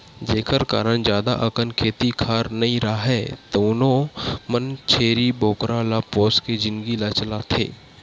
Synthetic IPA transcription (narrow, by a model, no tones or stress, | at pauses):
d͡ʒeːkʰəɾka̰ːɾənd͡ʒjaːd̪a̰ʔəkənkʰeːt̪ikʰaːɾnɐɦĩɾaɦɛːt̪oʊnõmənt͡ʃʰeːɾiboːkɾalapɔːsked͡ʒɪnɡilat͡ʃəlat̪ʰḛː